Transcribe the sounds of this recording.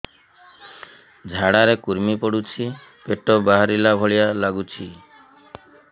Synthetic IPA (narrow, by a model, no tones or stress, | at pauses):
d͡ʒʱaɽaɾekuɾmipɔɽut͡ʃʰi | peʈɔbaɦaɾilabʱɔɭijalaɡut͡ʃʰi